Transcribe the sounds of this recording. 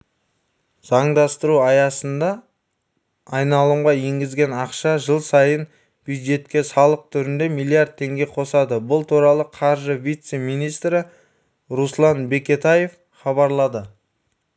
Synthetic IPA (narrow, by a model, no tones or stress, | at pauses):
z̥ɑɴd̪ɑst̪əɾuɑjɑsənd̪ɑ | jnɑlˠuɴʁɑje̞ŋɡʲɪzɡʲe̞nɑqʃɑʒəlˠsɑjən | b̥jud̪ʒe̞t̪kʲe̞sɑlˠəq̚t̪ʰʏɾɪnd̪e̞mijlˠiaɾd̪̚t̪ʰːe̞ŋɡʲe̞qʰo̞sɑd̪əbʊlˠt̪ʰuɾɑlˠəqʰɑɾʒəvijt̪se̞mijnijst̪ɾɪ | ɾuslˠɑnbe̞kʲe̞t̪aje̞f | χɑβɑɾlˠɑd̪ə